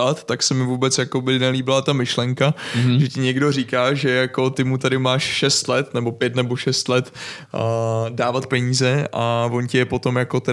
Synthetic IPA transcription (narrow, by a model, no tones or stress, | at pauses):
at̪ːaksɛmɪvuːbɛt͡sjako̞bɪnɛliːbɪlat̪amɪʃlɛŋkaʒɛcɪɲɛɡdo̞riːkaːʒɛjako̞t̪ɪmut̪adɪmaːʃʃɛst̪lɛt̪nɛbo̞pjɛt̪nɛbo̞ʃɛst̪lɛt̪ː | daːvat̪̚pɛɲiːzɛʔavo̞ncɛjɛpo̞t̪o̞mjako̞t̪ɛ